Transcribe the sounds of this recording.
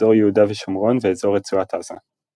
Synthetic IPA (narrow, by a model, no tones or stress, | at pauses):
o̞ʁjehudaveʃomʁo̞nveezo̞ʁet͡suat̪ʰaz̥a̰